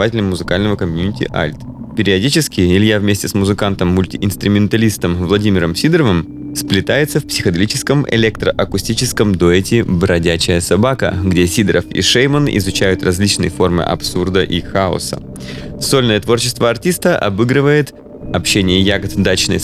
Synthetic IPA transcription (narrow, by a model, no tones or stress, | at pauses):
vatʲɪlʲəmːʊzɨkalʲnəvəkɐmʲjunʲɪtʲɪ̰ʔa̰lʲt̪ | pʲɪɾʲɪɐdʲit͡ɕɪskʲɪɪlʲjavmʲesʲtʲɪsmʊzɨkant̪əmːʊlʲtʲɪʔɪnst̪ɾʊmʲɪnt̪ɐlʲist̪əmvlˠɐdʲimʲɪɾəmsʲid̪ɾəvɨm | splʲɪt̪ajɪt̪səfpsʲɪxəd̪ɐlʲit͡ɕɪskəmɛ̰lʲek̚t̪ɾəʔɐkʊsʲtʲit͡ɕɪskəmd̪oɛtʲɪbɾɐdʲæt͡ɕɪjəsɐbakə̰ɡdʲesʲid̪ɾəfḭʂejmənɪ̰zʊt͡ɕæjʊt̪rɐzʲlʲit͡ɕnə̰jfo̞rmɨ̰ʔɐ̰psurd̪əʔixaʊ̰sə̰ | so̞lʲnəjət̪vo̞rt͡ɕɪ̥st̪vəɐrtʲist̪əʔɐ̰bɨɡɾɨvəjɪt̪ | ɐpɕːenʲɪjəjaɡət̪d̪at͡ɕnə̰j